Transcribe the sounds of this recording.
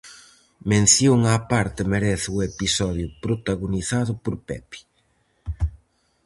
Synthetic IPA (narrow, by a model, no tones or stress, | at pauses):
mẽn̟θjoŋapaɾt̪ɪmeɾɛθuepisɔðjʊpɾot̪aɣoniθaðʊpoɾpɛpi̥